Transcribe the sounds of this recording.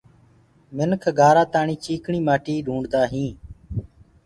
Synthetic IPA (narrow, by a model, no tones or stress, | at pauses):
mɪnkʰɡʱaːɾaːt̪aːɳiːt͡ʃiːkɳiːmaːʈiːɖʱũːɳɖd̪aːɦĩː